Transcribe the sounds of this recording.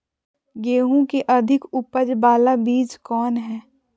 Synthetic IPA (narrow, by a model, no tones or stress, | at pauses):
ɡeːɦũkeʔɐd̪ʱɪkʊpəɾbaːlabiːd͡ʒkɔːnɦɛː